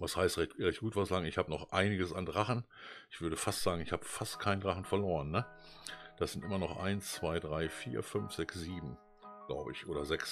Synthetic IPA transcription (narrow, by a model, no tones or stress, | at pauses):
vashaɪstʁɛtʁɛçt̚ɡ̥uːtv̥aslaːɡŋ̩ɪçhaːbənɔχʔaɪnɪɡəsandʁaχn̩ | ʔɪçv̥ʏɐɾəfastz̥aːɡŋ̩ɪçhaːbəfastkʰaɪn̩dʁaχn̩fɛɐloːʁənːə | d̥asz̥ɪntʔɪmɐnɔχʔa̰ɪnst͡sv̥aɪdʁaɪfiːɐfʏnfz̥ɛksz̥iːbm̩ | ɡ̥laʊbəɪçʔoːɾɐzɛks